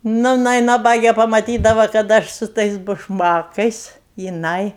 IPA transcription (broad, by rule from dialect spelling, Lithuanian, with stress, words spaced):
ˈnʊ jɪˈnɐɪ nɐˈbɑːɡʲeː pɐmɐˈtʲiːdɐʋɐ kɐt ˈɐʃ sʊ ˈtɐɪs bʊʃˈmɑːkɐɪs jɪˈnɐɪ